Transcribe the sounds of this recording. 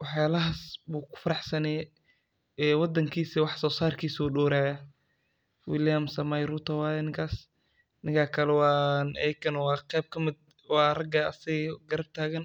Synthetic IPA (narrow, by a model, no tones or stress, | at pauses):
wɑħjaːlɐɦaːsbuːkʰʊ̥fɐɾɑħsɐnɛːj | ɛːwɑd̪ɐŋkʰiːsiwɑħsɔːsaːrkʰiːsuːɗɔːɾaːja | wɪljamsɐmɐjɾut̪ʰɔwaːjnɪŋkʰaːs | nɪŋkʰaːkʰɐlɛwɑːnɛjkʰɐnɔwɑːqɛjb̚kʰɐmɪd̪̚ | wɑːrɐɡɐɐsɪɣɡɐɾɐb̚t̪ʰaːɣɐn